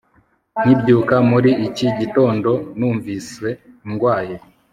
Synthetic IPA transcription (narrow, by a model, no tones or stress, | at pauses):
n̥ibɟuːkamuɾiʔiciɟito̞ːndo̞nuːɱviswe̞ | iŋɡwaːje